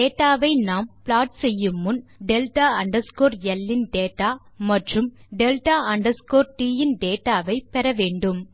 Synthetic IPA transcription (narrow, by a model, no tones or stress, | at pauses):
eːʈːaːʋɐɪnaːmplaːʈ̚sɛjːɯmːɯnɖelʈaːɐɳɖɐɾskoːɾjɛlːɪnɖeːʈːaː | mɐʈrɯmɖelʈaːɐɳɖɐɾskoːɾʈiːjɪnɖeːʈːaːʋɐɪpɛɾɐʋeːɳɖɯm